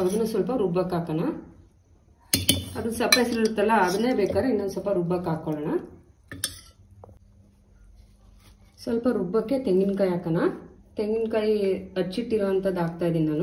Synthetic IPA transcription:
ɐʋd̪ɐnːusʋɐlpɐɾubɐkaːkɐna | ɐd̪unsɐpːɐjsiɾɾut̪ːɛlːɐɐd̪ɐneːbeːkaːɾeinːɐnsɐlpɐɾubɐkaːkoɭɐnɐ | sʋɐlpɐɾubːɐkːe̞t̪eŋɡinkaːjiaːkɐnat̪eŋɡinkaːjiɐʈːt͡ʃiʈːiɾɐʋɐnt̪ɐd̪aːɡ̚t̪aːjd̪ininaːnu

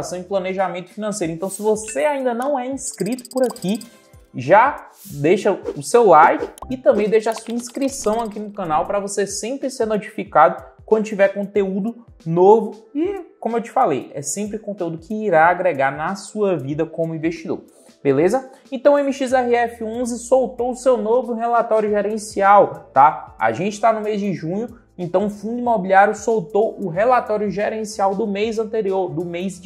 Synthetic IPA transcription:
sɐ̃w̃ɪplɐneʒamẽt̪ʊ̥finɐ̃sejɾʊẽnt̪ɐ̃w̃sɪvoseaĩnd̪ɐnɐ̃w̃ɛĩskɾit̪ʊ̥pʊɾaki | ʒa | d̪eʃɐʊsewlajfɪɪt̪ɐ̃mbẽj̃d̪ejʃasuɐĩskɾisɐ̃w̃akinʊkɐ̃nawpɾɐvosesẽpɾɪseɾnot͡ʃi̥fikad̪ʊkwɐ̃nd̪ʊt͡ʃivɛɾkõt̪eud̪ʊ | novʊɪkõmʊewt͡ʃi̥falḛjɛ̰sẽmpɾɪkõnt̪eud̪ʊkɪːɾaːɡɾeɡaɾnɐsuɐvid̪ɐkõmʊĩvest͡ʃid̪o̰ɾ | belezɐ | ẽt̪ɐ̃w̃ẽmiʃizɛɦiɛfɪõzɪsowt̪oʊsewnovʊɦɛlat̪ɔɾjʊʒɛɾẽsiawt̪aa̰ʒẽt͡ʃɪ̥t̪anʊmezd͡ʒɪʒũɲʊ | ẽnt̪ɐ̃w̃ʊfũd̪ʊĩmobiliaɾjʊsowt̪owʔʊɦɛlat̪ɔɾjʊʒɛɾẽsiawd̪ʊmejzɐ̃nt̪eɾioɾd̪ʊmejz

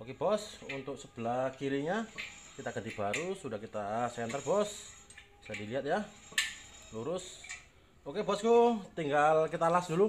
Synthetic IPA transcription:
okebɔsunt̪ʊk̚səb̥əlakiɾiɲakit̪aɡəd̪ibaɾusudahkit̪asɛnt̪ərbɔs | sadiliɦat̪̚ja | luɾʊs | okebɔskut̪iŋɡalkit̪alasdulu

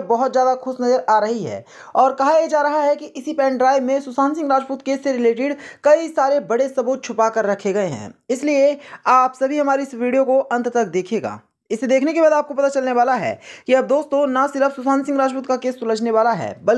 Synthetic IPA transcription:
bɐɦʊt̪zjaːd̪axʊsnɐzəɾaːɾɐɦiɦɛ̰ː | ɔːɾkɐɦajed͡ʒaːɾɐɦaɦɛkiʔɪsipɛ̃ːɳɖɾaːɪbmẽsʊsaːnsɪ̃ŋɡɾaːd͡ʒpuːt̪keːsːeɾɪleːʈɪɖkɐisaːɾebɐɽesɐbuːt̪̚t͡ʃʰʊpakɐɾːɐkʰeɡɐeɦɛ̰̃ːɪslieaːpsɐbʱiɦɐmaːɾeɪsʋiːɖijokoʔɐ̃nt̪t̪ɐk̚d̪eːkʰeːɡa̰ː | ɪsːed̪eːkʰnekebaːd̪aːp̚kopɐt̪at͡ʃɐlneʋaːlaɦɛ̰ːkiɐb̚d̪oːst̪õnasɪɾəfsʊsãːnsɪ̃ŋɡɾaːd͡ʒpuːt̪kakeːsːʊləd͡ʒneʋaːlaɦɛ̰ːbɐl

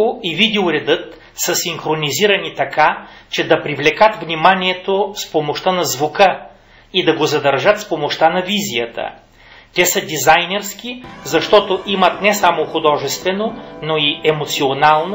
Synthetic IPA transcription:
oivid̪ɛoɾɛd̪ɤt̪ | səsiŋxɾoniziɾɐnit̪ɐkat͡ʃɛd̪ɐpɾivlɛkət̪vnimaniɛt̪ospomoʃt̪anɐzvukə | id̪ɐɡozɐd̪ɐɾʒət̪fspomoʃt̪anɐvizijət̪ə̰ | t̪ʲɛsəd̪ʲizajnɛɾsk̟izɐʃt̪ɔt̪oʔimət̪nɛsamoxʊd̪ɔʒɛst̪vɛnonoiɛmot̪sionalˠno

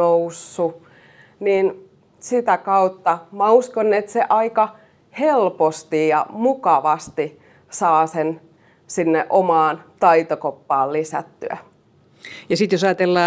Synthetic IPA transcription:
ousːu | niːn | sit̪ækɑut̪ːɑmæuskonːet̪seʔɑikɑ | helpost̪ijjɑ̰mukɑʋɑst̪i | sɑːsen | sinːeʔomɑːnt̪ɑit̪okopːɑːllisæ̰t̪ːyæ̰ | jɑsit̪josɑjɑt̪elːɑː

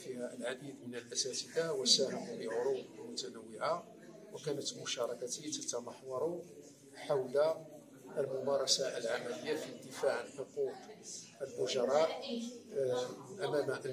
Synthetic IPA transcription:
fihæəlʕad̪id̪mənəlʔæsæt̪id̪awəsæhamuləʕʊɾubəlmʊt̪ænəwːɪʕa | wəkænət̪mʊʃɑɾˤɑkat̪it̪æt̪amɑħwɑɾˤu | ħawla | ʔəlmʊmɑɾˤɑsaʔəlʕamæləjːafid̪əfaʕnħʊqut̪ˤəlbʊʒɑɾˤɑʔ | ʔæmæm

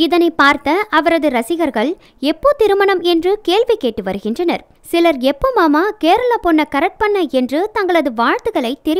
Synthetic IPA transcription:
ɪðɐnɐɪpːaːɾt̪ɐʔɐʋɐɾɐðɯɾɐsɪɣɐɾɣɐɭ | ɛpːoːt̪ɪɾɯmɐnɐmɛndrɯkeːɭʋikːeːʈːɯʋɐɾɯɣɪndrɐnɐ̰ɾ | sɪlɐɾɛpːomaːmaːkeːɾɐlɐpɔɳːɐkɐɾɐʈ̚pɐɳːɐɛndrɯt̪ɐŋɡɐɭɐðɯʋaːɻt̪ɯɣɐɭɐɪt̪ːɛɾɪ

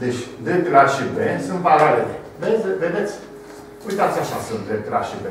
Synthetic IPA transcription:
d̪et͡ʃʲd̪ek̪ɾaʃibensɨ̃mpaɾaɾe | vesved̪et̪sʲ | ujt̪at̪sʲaʃasunt̪d̪ek̪ɾaʃibe

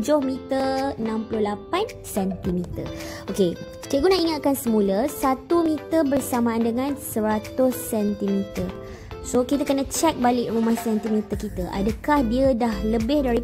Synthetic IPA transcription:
d͡ʒʊhmit̪əənãmpulʊhlapan | sɛnt̪imit̪ə̰okesə̥kiɡunaiŋat̪̚kansəmũləsat̪umit̪əbərsamãandəŋãnsəɾat̪ʊsːɛnt̪imit̪ər | sokit̪əkənãt͡ʃɛk̚balɪʔrumahsɛnt̪imit̪əkit̪əʔa̰dəkahdiədahləbɪhdaɾi

